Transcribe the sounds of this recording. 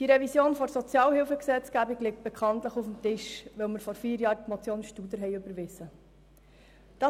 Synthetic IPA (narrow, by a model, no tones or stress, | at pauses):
d̥iɾɛvisjoːnfɔɾsɔt͡sjɑːlhɪlfəksɛt͡sɡ̥æbiɡlɪk̚t̚b̥ɛkʰɑnt̪ləχufm̩tɪʃʋɛʊməɾfɔɾfiːɾjɑːɾtmɔt͡sjoːnʃtud̪əɾɦɛɪøbəɾʋɪsə | d̥ɑ